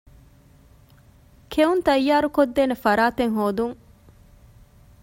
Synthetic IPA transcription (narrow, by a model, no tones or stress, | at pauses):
kʰeunt̪ɐjːaːɾukod̪ːeːnefɐɾaːt̪eŋɦoːd̪uŋ